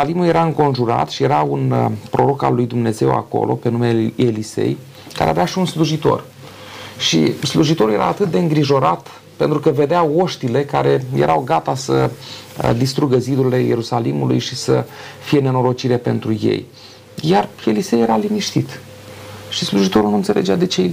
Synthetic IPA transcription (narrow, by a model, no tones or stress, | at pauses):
limulje̞ɾaɨŋko̞nʒuɾa̰t̪ʃije̞ɾaunpɾo̞ɾo̞ka̰lːujd̪umne̞ze̞̰wa̰ko̞̰lʔo̞̰pe̞numeelise̞̰j | ka̰ɾeaveaʃiunsluʒit̪o̞̰r | ʃḭsluʒit̪oɾulje̞ɾa̰ːt̪ɨt̪̚d̪e̞ɨŋɡɾiʒo̞ɾat̪ | pe̞nt̪ɾukəve̞d̪eao̞ʃt̪ile̞kaɾe̞je̞̰ɾʔawɡat̪asə̰ | d̪ist̪ɾuɡəzid̪uɾile̞jeɾusalimulṵjʃisə̰fijene̞no̞ɾo̞t͡ʃiɾe̞pe̞̰nt̪ɾuje̞̰j | jare̞lisejeɾaliniʃt̪it̪ | ʃisluʒit̪o̞ɾulnunt̪sele̞d͡ʒead̪e̞t͡ʃe